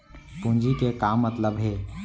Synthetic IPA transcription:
pũnd͡ʒikekaːmːət̪ləbɦeː

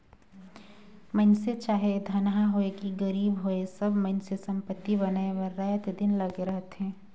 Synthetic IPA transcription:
mənset͡ʃaːɦed̪ʱɐnaaɦoekiɡɐɾiːbɦoesɐbmɐ̃nsesɐ̃mpət̪ːibɐnaːeʋəɾːaːt̪d̪ɪnlɐɡeɾɐɦt̪ɦɛ̃ː

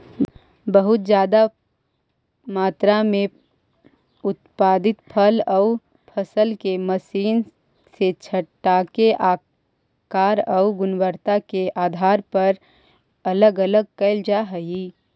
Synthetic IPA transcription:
bəɦʊt̪̚d͡ʒjaːd̪a | maːt̪ɾamẽ | ʊt̪paːd̪ɪt̪pʰəlɔʊ | pʰəsəlkeməsiːn | set͡ʃʰəʈːaːkeʔaː | kaːɾɔʊɡʊnwəɾt̪akeʔaːd̪ʱaːɾpɐɾ | ɐləɡələɡ̚kəɪld͡ʒaɦəji

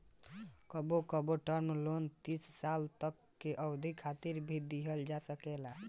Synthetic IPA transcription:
kəbokəboʈəɾmlont̪isʰsalt̪əkːeʔəwd̪ʱikʰat̪iɾbʱid̪iɦəld͡ʒasəkɛla

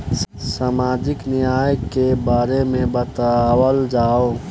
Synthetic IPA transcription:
s | saːmaːd͡ʒɪknɪjaːjəkːebaːɾemẽbət̪awəld͡ʒaːo

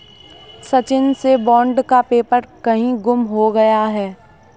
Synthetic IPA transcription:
sɐt͡ʃɪnsebɔ̃ːɳɖkapeːpəɾkɐɦĩɡʊmɦoɡɐjaɦɛː

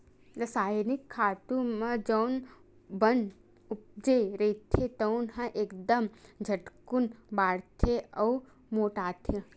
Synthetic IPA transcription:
d̪ɐsaːjnɪkʰːaːt̪ũmɐ̃d͡ʒɐwn | bɐn | ʊp̚d͡ʒeɾɐit̪ʰet̪ɐwnɦɐ̃ʔeːkd̪ɐmd͡ʒʱɐʈkunbaːɽt̪ʰeɐw | moːʈaːt̪ʰi

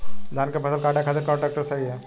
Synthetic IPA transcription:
d̪ʱaːnkabɐsəlkaːʈakʰaːt̪ɪɾkɔ̃ːɳʈɾɛːk̚ʈəɾsɐɦiɦɛː

